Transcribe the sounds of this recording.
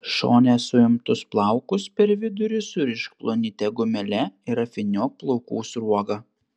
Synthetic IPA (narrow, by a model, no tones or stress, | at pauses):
ʃo̰ːnʲesʊɪmt̪ʊsplˠɑˑʊkʊspʲɛɾʋʲɪd̪ʊɾʲɪsʊɾʲɪʃkplˠonʲɪt̪ʲɛɡʊmʲɛlʲɛɪɾɐfʲɪnʲoːplˠɔʊkuːsɾuɔɡɐ